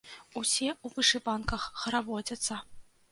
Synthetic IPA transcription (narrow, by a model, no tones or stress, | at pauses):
usʲɛuvɨʂɨpankɐxːɐɾabɔtʲɐt̪sːɐ